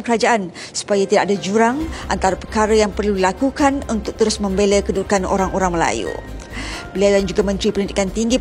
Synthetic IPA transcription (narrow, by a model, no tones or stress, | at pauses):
mkəɾad͡ʒaʔan | su̥pajat̪idaʔadad͡ʒuɾaŋʔa̰nt̪aɾapəkaɾəjaŋpərludilakukanunt̪ʊk̚t̪əɾʊsmə̃mbeləkədukanʔo̰ɾaŋoɾaŋməla̰jṵ | bəliawdand͡ʒuɡamə̃nt̪ɾipənidikant̪iŋɡi